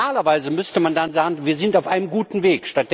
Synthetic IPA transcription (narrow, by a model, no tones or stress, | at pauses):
aːlɐvaɪzəmʏstəmandanzaːɡŋ̩viːɐzɪntaʊfʔaɪnəmɡuːtn̩veːkʃtat̚d̥